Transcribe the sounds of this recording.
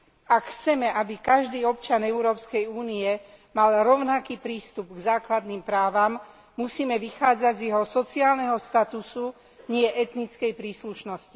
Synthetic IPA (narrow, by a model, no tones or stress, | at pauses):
akxt͡sɛmɛʔabikaʒd̪iːɔp̚t͡ʃanɛʊɾɔːpskɛjuːniɛ | malɾɔʊnakiːpɾiːst̪ubɡzaːklad̪niːmpɾaːʋamː | usiːmɛʋixaːd͡zaɟzjɛɦɔsɔt͡siaːlnɛɦɔst̪at̪usu | ɲɪɛʔɛt̪nit͡skɛjpɾiːsluʃnɔsci